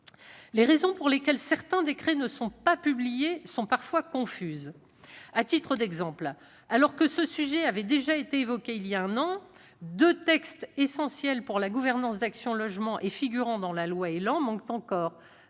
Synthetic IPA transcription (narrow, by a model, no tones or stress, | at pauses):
leʁezɔ̃puʁlekʲɛlsɛʁt̪ɛ̃d̪ekχɛnəsɔ̃papyblijesɔ̃paʁfwakɔ̃fyz | at̪it̪χəd̪ɛɡzɑ̃pl | alɔʁkəsəsyʒɛavɛd̪eʒaet̪eːvɔkʲeiljaɛ̃nɑ̃ | d̪øt̪ɛkst̪esɑ̃sjɛlpuʁlaɡuvɛʁnɑ̃sd̪aksjɔ̃lɔʒmɑ̃ʔefiɡʲyʁɑ̃d̪ɑ̃lalwaelɑ̃mɑ̃k̚t̪ɑ̃kɔːʁ